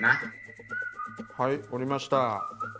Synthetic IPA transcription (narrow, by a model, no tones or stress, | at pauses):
mas | haioɾʲimaɕi̥t̪a